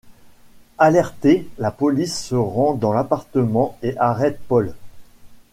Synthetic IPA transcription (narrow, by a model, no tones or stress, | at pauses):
alɛʁt̪elapɔlisːəʁɑ̃d̪ɑ̃lapaʁt̪əmɑ̃eʔaʁɛt̪̚pɔl